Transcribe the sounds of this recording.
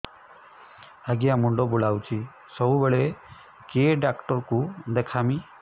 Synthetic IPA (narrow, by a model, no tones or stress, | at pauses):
aɡiamuɳɖɔbulawt͡ʃʰi | sɔbubeɭe | keɖakʈɔɾkud̪ekʰami